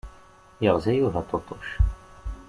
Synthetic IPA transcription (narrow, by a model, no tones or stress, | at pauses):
jəʁzæjuɦæt̪ˤːot̪ˤːoʃ